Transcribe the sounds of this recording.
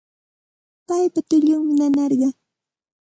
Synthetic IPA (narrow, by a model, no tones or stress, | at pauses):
pajpat̪ɪʎʊŋmɪnanɑɾɢɑ